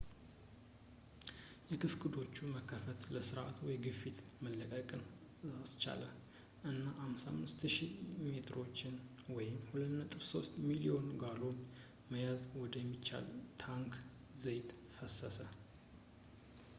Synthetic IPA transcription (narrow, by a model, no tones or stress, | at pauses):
jɛkʰɨfkɨd̪o̞t͡ʃːuməkʰːəfət̪ləsɨɾʔa̰t̪wɔjɡɨfːit̪məlːəkʼəkʼɨn | zast͡ʃa̰lə | ʔɨnːaʔamsa̰mːɨst̪ʃimet̪ʰɾo̞t͡ʃːɪn | wɔjɪmhulət̪nət̪ʼɨβso̞st̪milio̞nɡalo̞n | məjazwɔd̪əjɛmːit͡ʃːa̰lt̪ʰaŋkʰ | zəjt̪ | fəsːəsə